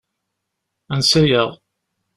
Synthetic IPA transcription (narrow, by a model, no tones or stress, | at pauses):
ænsæjəʁˤ